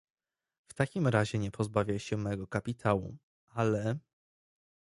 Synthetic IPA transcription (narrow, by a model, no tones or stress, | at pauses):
ft̪akʲimɾaʑɛɲɛpʰɔzbavʲjajɕɛmɛɡɔkapʲit̪ʰawṵ | ʔalɛ